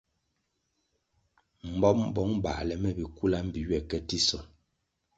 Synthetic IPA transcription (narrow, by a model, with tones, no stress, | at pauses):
m̩˨bɔ˦mbɔ˨˦ŋba̰˨lɛ˨mɛ˦˨bi˨ku˦la˦m̩˦bi˨ɥɛ˨kɛ˦ti˦sɔ˨